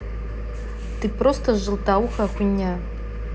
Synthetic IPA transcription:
tɨprostʰɐʒɨltawuxakʷʰʼʊnʲːa

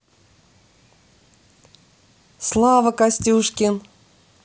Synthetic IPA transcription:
slˠɑvəkasʲtʲuʂkʲɪn

